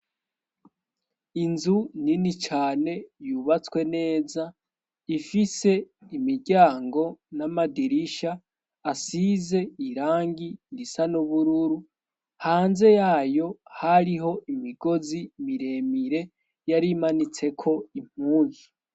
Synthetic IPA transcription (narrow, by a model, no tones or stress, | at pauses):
inzuninit͡ʃaːne̞juβat͡swe̞ne̞ːza | ifise̞imiɟaːŋɡo̞namadiɾiʃaː | size̞iɾaːŋɡinisanuβuɾuɾu | haːnze̞jaːjo̞haɾiɦo̞ʔimiɡ̥o̞zimiɾe̞miɾe̞ | jaɾiːmanit͡se̞kʰo̞im̥huːni